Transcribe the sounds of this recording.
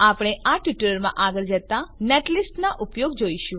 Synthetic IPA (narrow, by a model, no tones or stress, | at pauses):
apɽ̃eʔaʈʋiʈələɾmã̰ʔaɡəɭd͡ʒət̪aneʈlisʈnaʔupjoɡd͡ʒoiʃũ